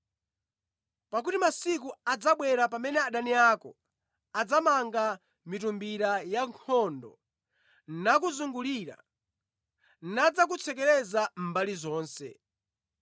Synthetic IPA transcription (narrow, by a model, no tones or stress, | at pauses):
pak̬utimasik̬uad͡zaɓwɛɾapamɛnɛaɗaniaːkɔ | ad͡zamaŋɡa | mitumbiɾajaŋkʰɔndɔ̰ | nak̬uzuŋɡuliɾa̰ | nad͡zak̬ut͡sʰɛk̬ɛɾɛzam̩balizɔːnsɛ̰